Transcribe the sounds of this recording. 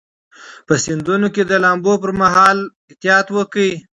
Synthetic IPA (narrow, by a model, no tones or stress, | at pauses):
pəsɪnd̪unoked̪əlɑmbopəɾmaɦɑlɪht̪ɪjɑt̪wəkəi